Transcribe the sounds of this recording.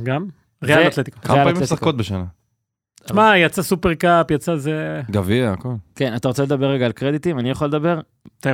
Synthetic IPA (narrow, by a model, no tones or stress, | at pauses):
ɡam | ʁeaat̪let̪ikaaalaimletsaχkot̪̚beʃana | ʃmajat͡sasupeʁkapjat͡sazeɡaviaakolke̞nat̪aʁot͡seled̪abeʁːeɡaːlkʁed̪it̪imanijaχaled̪abe̞ʁ | at̪aj